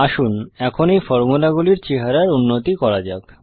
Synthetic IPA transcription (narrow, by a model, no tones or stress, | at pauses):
aʃunɛkʰonejfɔɾmulaɡuliɾt͡ɕeɦaɾaɾunːot̪ikɔɾad͡ʑak